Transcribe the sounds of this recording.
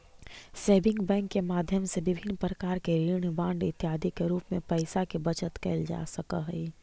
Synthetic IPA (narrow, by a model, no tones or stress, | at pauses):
seːbɪ̃ŋkbɛ̃ːŋkːemaːd̪ʱjəmsebɪbʱɪnːpɾəkaːɾkeɾiːɽ̃əbãːɳɖɪt̪jaːd̪ʱikeɾuːpmẽpəɪsakebət͡ʃət̪keːld͡ʒa̰səkəɦɛi